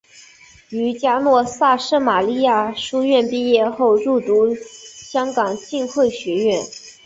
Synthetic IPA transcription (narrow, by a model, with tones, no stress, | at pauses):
y˧˥t͡ɕja˥nwɔ˥˧sa˥˧ʂɤ˥ma˨˩li˥˧ja˥˩ʂu˥ɥɛ˥˩˧npi˥˧jɛ˥˧xo˥˧ʊɻu˥˩t̪u˧˥ɕjɑ˥ŋkɑ˨˩ŋt͡ɕi˥˧nxwe˥˩ɪɕɥɛ˧˥ɥɛ˥˩n